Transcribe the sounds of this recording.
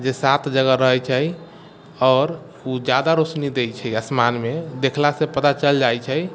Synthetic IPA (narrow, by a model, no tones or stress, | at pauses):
d͡ʒesat̪ʰd͡ʒəɡəɾəɦɛt͡ʃʰəj | ɔːɾ | ud͡ʒad̪aɾosnid̪et͡ʃʰɛjəsmanmed̪ekʰlasẽpət̪at͡ʃəld͡ʒajt͡ʃʰɛj